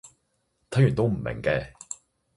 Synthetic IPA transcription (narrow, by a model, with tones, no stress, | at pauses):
t̪ʰɐ˨˥jy˨nt̪o˥wm̩˨˩mɪ̰˨˩ŋkɛː˧